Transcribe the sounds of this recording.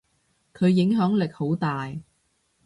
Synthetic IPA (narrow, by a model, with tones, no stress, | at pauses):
kʰɵ˨˧ɥjɪ˨˥ŋɦœː˨˥ŋlɪ˨k̚ho˨˥wt̪aː˨j